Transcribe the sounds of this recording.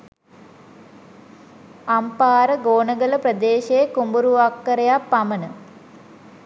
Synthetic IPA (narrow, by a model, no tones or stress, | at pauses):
ɐmpaːɾɐɡoːɳɐɡɐlɐprɐd̪eːɕekumbuɾuʋakːɐɾɐjaːpːɐmɐnɨ